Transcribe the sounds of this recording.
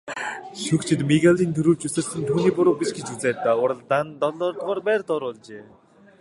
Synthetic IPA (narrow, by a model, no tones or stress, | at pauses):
ʃukt͡ɕʰɪ̆t̪miɣaɮiːŋɡ̪ʰuɾup̚t͡ɕusə̆rsə̆nt̪ʰuːniːpʊɾoːpiʃɡet͡ɕut͡sæːt̪aːʊɾə̆ɮt̪ant̪ɔɮɔːrt̪ʁɔːrpæːrt̪ɔɾʊɮt͡ɕeː